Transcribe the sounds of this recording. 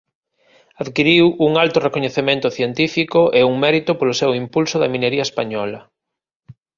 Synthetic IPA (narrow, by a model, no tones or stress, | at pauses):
aðkiɾiwuŋalt̪ʊrekoɲeθemẽnt̪ʊθjent̪ifikoʔeuŋmɛɾit̪ʊpolʊsewimpulsʊðɐ̰mĩneɾiɐespaɲɔlɐ